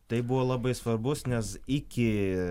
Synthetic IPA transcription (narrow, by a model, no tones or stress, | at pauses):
t̪ɐɪbuʋoːlˠɐbɐɪsʋɐrbʊsnʲɛsɪkʲɪ